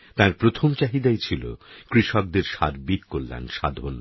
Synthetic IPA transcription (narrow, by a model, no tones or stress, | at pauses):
t̪ãɾpɾot̪ʰomt͡ɕaɦid̪aejt͡ɕʰilo̰kɾiʃɔk̚d̪eɾʃaɾbikːolːa̰nʃad̪ʱon